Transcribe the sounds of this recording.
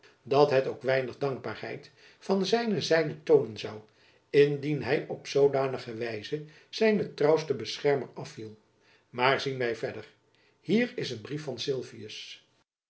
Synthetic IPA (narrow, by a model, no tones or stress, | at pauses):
dɑtɦɛtoʊwkʋɛjnəχdɑŋɡ̚baːɹɦɛjt | fɑnzɛjnəzɛjnətownənzɑw | ɪndinɦɛjɔpsowdaːnəχəʋɛjzə | z̥ɛjnətrɑwstəbəsχɛɹmərɑfilˠ | maːɹzinʋɛjvɛdər | hiːrɪsənbrifɑnsɪlˠviəs